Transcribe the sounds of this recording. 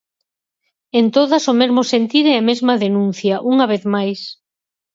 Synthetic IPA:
ent̪oðasomezmosent̪iɾɛɐmezmɐðenũn̟θjɐʔuŋaβ̞eθmajs

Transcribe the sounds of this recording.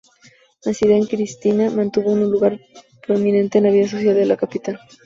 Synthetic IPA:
nasiðaŋkɾist̪inamãnt̪uβonuluɣaɾ | pɾomĩnẽnt̪e̞ːnlaβiðasosjalðelakapit̪al

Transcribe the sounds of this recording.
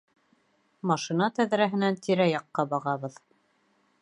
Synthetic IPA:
mɑʃinɑt̪æðɾæɦɘ̆nænt̪ʰiɾæjɑqːɑbɑʁɑβɤð

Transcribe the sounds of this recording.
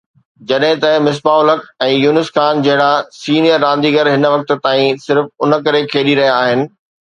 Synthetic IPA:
d͡ʑɐɗɦɪ̃t̪ɐmɪs̬baːʊləkʰɛ̃ːjuːnɪsxaːnd͡ʑɐɦɪɽasiːnijəɾːãːn̆d̪iːɡəɾɦɪnʋɐk̚t̪̆t̪aːĩsɪɾfʊnə̆kɐɾekʰeːɗiɾɐɦijaːɦɪnɪ̆

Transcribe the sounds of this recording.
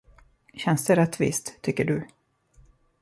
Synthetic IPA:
ɕɛnst̪ɛɾɛt̪ːvɪ̰st̪ʰːʏkːəɖɵ

